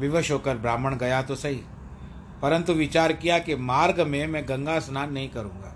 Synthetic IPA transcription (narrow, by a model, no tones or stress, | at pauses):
ʋɪʋəʃokəɾbɾaːməɽ̃ɡɐjat̪osɐɦḭ | pɐɾə̃nt̪uʋɪt͡ʃaːɾkijakemaːɾɡmẽmɛ̃ːɡɐ̃ŋɡasnaːnːɐɦĩkɐɾũːŋɡa̰ː